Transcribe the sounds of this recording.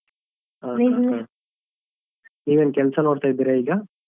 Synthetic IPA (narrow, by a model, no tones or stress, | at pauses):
ɦaːa | niːʋenkɛlsɐnoːɽt̪aːjid̪iːɾaiːɡɐ